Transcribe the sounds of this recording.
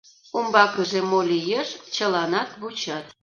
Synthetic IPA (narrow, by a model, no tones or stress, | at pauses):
umbɑkəʒemolʲijeʃt͡ɕəlɑnɑt̪βut͡ɕɑt̪